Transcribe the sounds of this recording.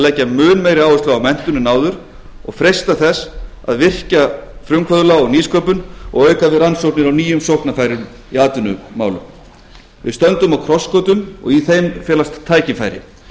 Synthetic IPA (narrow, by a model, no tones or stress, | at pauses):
lɛːcːamʏːnmejɾɪaːwʏst̪laawmɛn̥t̪ʏnʏnaːwðʏɾ̥ | ɔ̰ɣfɾejst̪aθɛs | a̰ðvɪr̥cafɾʏmkʰvœðlaɔɣniːskʰœːpʏnɔ̰ɣœːɥkaðɪɾansowpnɪɾawniːjʏmsɔhpnafajɾɪm | iaːt̪ʏnʏmaːwlʏ̰m | vɪ̰st̪œnt̪ʏmawkʰɾɔskoːt̪ʏmɔ̰ɣiθejmfɛːlast̪ʰːaːjcɪfaːjɾɪ̰